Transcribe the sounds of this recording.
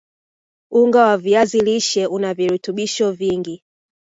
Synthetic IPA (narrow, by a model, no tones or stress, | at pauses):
uŋɡawaviaziliʃɛunaviɾutuɓiʃɔviŋɡi